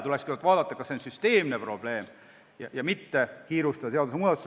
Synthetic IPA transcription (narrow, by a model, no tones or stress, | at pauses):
t̪ulɛkskyt̪vɑːd̪̥ɑt̪ːˑɑkɑseonsyst̪e̞ːmnepro̞b̥le̞ːm | jɑ̰jɑmit̪ːekiːɾust̪ɑd̪ɑs̬eɑd̪useuːd̪ɑt̪ːˑus